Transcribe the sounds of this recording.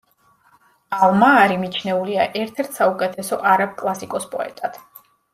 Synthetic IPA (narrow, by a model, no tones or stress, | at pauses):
alˠmaːɾimit͡ʃʰnɛuliaʔɛɾt̪ʰɛɾt̪ʰsaukʼɛt̪ʰɛsɔʔaɾap̚kʼlˠasikʼɔspʼɔɛ̰t̪ʼat̪ʰ